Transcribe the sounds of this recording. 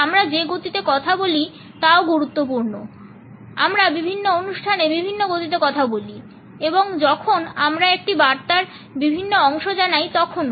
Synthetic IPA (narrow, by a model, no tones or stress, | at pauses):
amɾad͡ʑeɡot̪it̪ekɔt̪ʰaboli | t̪aoɡuɾut̪ːop̬uɾno | a̰mɾabibʱinːoonuʃʈʰanebibʱinːoɡot̪it̪̬ekɔt̪ʰaboli | eboŋd͡ʑɔkʰonamɾaek̚ʈibaɾt̪aɾ | bibʱinːoɔŋʃod͡ʑanajt̪ɔkʰon